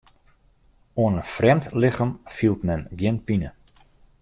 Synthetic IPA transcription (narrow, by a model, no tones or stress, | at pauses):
oənənfrɛmtlɪxəmfilˠtmɛnɡjɪnpinə